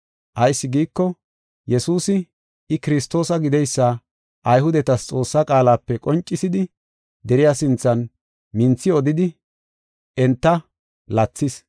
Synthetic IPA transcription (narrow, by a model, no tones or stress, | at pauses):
ʔɐjsːɪɡiːkːɔ | jɛsuːsɪ | ɪkɪɾɪst̪o̞ːsɐɡɪd̪ɛjsːa | ʔɐjɦʊd̪ɛt̪ɐst͡sʼo̞ːsːakʼaːlaːpːɛkʼɔnt͡ʃʼːɪsɪd̪ɪ | d̪ɛɾɪjasɪnt͡sːɐn | mɪnt͡sːɪɔd̪ɪd̪ɪ | ɛnt̪ːɐ | lɐt͡sːɪs